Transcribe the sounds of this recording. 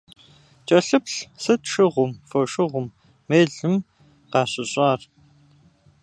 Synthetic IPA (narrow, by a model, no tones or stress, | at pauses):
t͡ʃʼɐɬɨpɬsɨtʂɪʁʷʊmfɐʂɨʁʷʊmː | eːɮɨm | qɑːɕɪɕʼɑːr